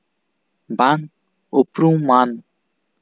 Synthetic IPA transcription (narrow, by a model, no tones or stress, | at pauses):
bãŋ | opɾũman